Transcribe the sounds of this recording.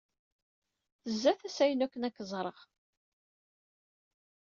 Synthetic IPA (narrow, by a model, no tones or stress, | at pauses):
θəzːæθæsæjənækʷːənækːəzˤɾˤəʁ